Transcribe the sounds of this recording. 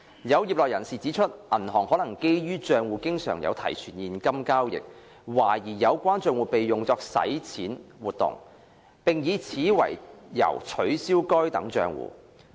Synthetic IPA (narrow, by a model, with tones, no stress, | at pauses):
jɐ˨˧wjiː˨p̚lɔː˨k̚jɐ˨˩nsiː˨˩t͡siː˨˥t͡ʃʰɵ˥t̚ʔɐ˨˩nɦɔː˨˩ŋhɔː˨˥nɐ˨˩ŋke˥jjyː˥t͡ʃœː˨˧ŋwuː˨˧kɪ˥ŋsœ̰ː˨˩ŋjɐ̰˨˧wt̪ʰɐ̰˨˩jt͡ʃʰyː˨˩njiː˨˩nkɐ˥mkaː˥wjɪ̰˨k̚ | waː˨˩jiː˨˩jɐ˨˧wkʷaː˥nt͡ʃœː˧ŋwuː˨˩pe˨jːʊ˨ŋt͡sɔː˧k̚sɐ̰˨˥jt͡sʰiː˨˥nwuː˨t̚t̪ʊ̰˨˩ŋ | pɪ˨ŋjiː˨˧t͡sʰiː˨˥wɐ̰˨˩jjɐ̰˨˩wt͡ʃʰɵ˨˥ɥsiː˥wkɔː˥jt̪ɐ̰˨˥ŋt͡ʃœ̰ː˨˧ŋwṵː˨˩